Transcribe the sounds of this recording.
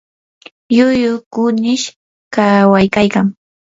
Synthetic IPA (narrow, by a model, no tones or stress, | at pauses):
jʊjʊkʊnɪʃ | kawajkajkaŋ